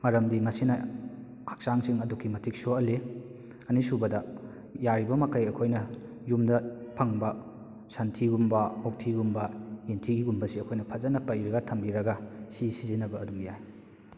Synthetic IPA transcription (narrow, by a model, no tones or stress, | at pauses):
mɐɾɐmdimɐsinɐ | hak̚saŋsiŋɐdukʰːimɐtʰik̚soɐle | ɐnisubɐdɐ | jaɾibɐmɐkɐjɐkʰojnɐ | jumdɐpʰɐŋbɐ | sɐntʰiɡumbɐok̚tʰiɡumbɐintʰiɡiɡumbɐsiɐkʰojnɐpʰɐzɐnɐpːɐiɾɐɡɐtʰɐmbiɾɐɡɐsisizinɐbɐːdumjaj